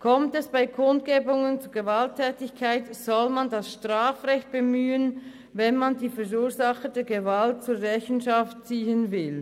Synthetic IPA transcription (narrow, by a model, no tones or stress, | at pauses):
kʰɔmtɛsb̥aɪkʰʊntɡ̥eːbʊŋənt͡suːɡəvaltʰːɛːtɪçkʰaɪtz̥ɔlmandasʃtʁaːfʁɛçt̚b̥emyːən | vɛnmandiːfɛʁuːɐzaχədɛːɐɡevalt̚t͡suːɐʁɛçn̩ʃaft̚t͡siːənvɪl